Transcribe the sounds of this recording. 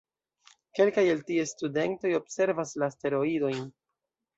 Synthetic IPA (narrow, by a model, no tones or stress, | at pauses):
ke̞lkajeltiestude̞nto̞jo̞bse̞ɾvaslaste̞ɾo̞ido̞jn